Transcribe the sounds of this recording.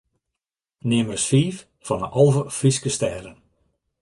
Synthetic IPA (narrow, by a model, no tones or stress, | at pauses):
nɪəmərsfiːf | fɔnəʔɔlˠvəfriskəstɛːrən